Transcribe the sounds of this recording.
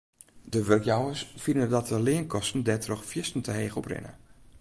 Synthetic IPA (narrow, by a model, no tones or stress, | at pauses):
dəʋørkjawəsfinədɔt̚əlɪənkʰɔstn̩dɛtrɔxfjɪstn̩tʰəheːxɔprɪ̰nə̰